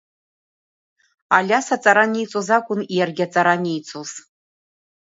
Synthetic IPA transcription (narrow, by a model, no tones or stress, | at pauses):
alʲasat͡sʼaɾanejt͡sʼozakʷʼʊnijarɡʲat͡sʼaɾanejt͡sʰʼoz̥